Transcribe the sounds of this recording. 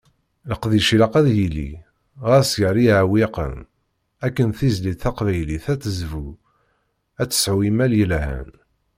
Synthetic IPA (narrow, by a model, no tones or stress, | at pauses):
ləqðiʃilɑqæðjilḭ | ʁæsjəɾˤiʕawiqə̰m | ækːənθizlit̪θæqvæjliθæt͡sːəzvu | æt͡sːə̥sʕwimæljəlæhæ̰n